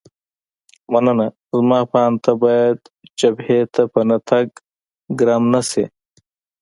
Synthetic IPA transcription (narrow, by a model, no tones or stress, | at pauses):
mɐnɐnɐ | zmaːpaːnt̪ɐbajɐd̪̚ | t͡ʃɐbhet̪ʰɐpɐnɐt̪ʰɐk̚ | ɡɾɐmnɐsḛ